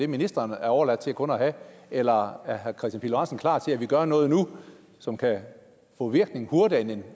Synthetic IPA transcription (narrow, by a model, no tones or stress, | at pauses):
e̝minisd̥ʁɐnæɐɒʊɐlæd̥̚t͡sʰe̝ækʰɔ̽nɒɦæelɐæɐɦæɐkʰʁɛsd̥jænpʰiloʁɑnsn̩kʰlɑ̰̈ːt͡sʰe̝æʋiɡ̥ɶɐnɔ̽ːð̩ˠnu | sɒ̽mkʰæ | fɔ̰ːʋiɐɡ̥̚ne̝ŋhuɐd̥iæenen